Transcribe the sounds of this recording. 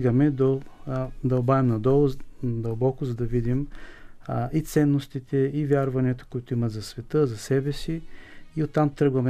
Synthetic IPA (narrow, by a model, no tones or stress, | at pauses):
ɡɐmɛd̪o | d̪ɐobavɛmnɐd̪ɔlˠʊd̪ɐlˠbɔkʊzɐd̪ɐvid̪im | it̪sɛnːost̪it̪ɛivʲjaɾvɐniɐt̪o̥koʊit̪ʊimɐt̪zɐsvɛt̪əzɐsɛbɛsiiot̪ːamt̪ɾɤɡvɐmɛ